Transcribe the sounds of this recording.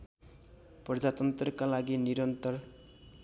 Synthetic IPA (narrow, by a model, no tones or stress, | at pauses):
pʌd͡zat̪ʌnt̪rʌkalaɡiniɾʌnt̪ʌr